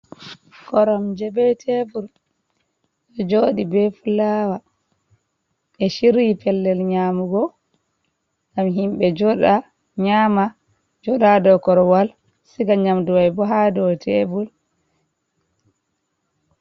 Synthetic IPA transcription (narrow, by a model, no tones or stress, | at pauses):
kɔɾɔmd͡ʒɛbɛtʰebul | ʔɔd͡ʒoːɗibɛfulaːwa | ɛʃiɾipɛlːɛlɲaːmuɡɔ | ɡamɦimbɛd͡ʒɔɗa | ɲama | d͡ʒɔɗadɔkɔɾɔwal | siɡaɲamduwajbɔɦadɔtʰebul